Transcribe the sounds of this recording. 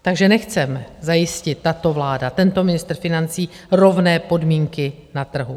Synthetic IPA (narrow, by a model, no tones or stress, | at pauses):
t̪aɡʒɛnɛxt͡sɛmzajɪscɪt̪ːat̪o̞vlaːdat̪ɛnt̪o̞mɪnɪst̪r̩fɪnant͡siː | ɾo̞vnɛːpo̞dmiːŋkɪ | nat̪r̩ɦu